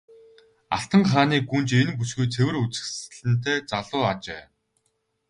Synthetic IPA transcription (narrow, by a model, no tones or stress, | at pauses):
a̰ɬt̪ə̆ŋχaːniːɡunt͡ɕenpusɡujt͡sʰewɘ̆rut͡sɘ̥̆xs̆ɮɘ̆nt̪ʰeːt͡saɮʊːat͡ɕæ̰ː